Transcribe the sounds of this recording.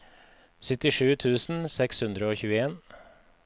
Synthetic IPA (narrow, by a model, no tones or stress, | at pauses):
sʏt̪ɪʂʉːt̪ʰʉːsn̩sɛkshʉnd̪ɾəoːçʉːəeːn